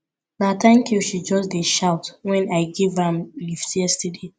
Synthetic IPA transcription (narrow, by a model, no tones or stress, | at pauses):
natʰãŋkʰjuʃid͡ʒɔsdeʃaʊtwɛ̃naɪɡevãmliftɛstide